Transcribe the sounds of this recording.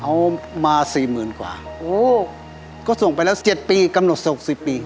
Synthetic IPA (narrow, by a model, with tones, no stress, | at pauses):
hʰa˦˥wmaː˧siː˨˩mɯː˨˩nkwa̰ː˨˩ʔoː˧˩ | kɔː˥˩so˨˩ŋpa˧jlɛː˦˥˩t͡ɕe˨˩t̪̚piː˧ka˧mno˨˩t̪̚sho˨˩k̚si˨˩pːiː˧